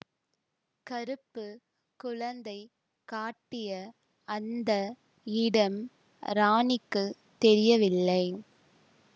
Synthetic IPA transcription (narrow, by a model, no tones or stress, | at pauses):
kɐɾɯpːɯ | kʊɻɐnd̪ɐɪ | kaːʈːɪjɐ | ɐnd̪ɐ | ɪɽɐm | ɾaːnɪkːɯ | t̪ɛɾɪjɐʋɪlːɐɪ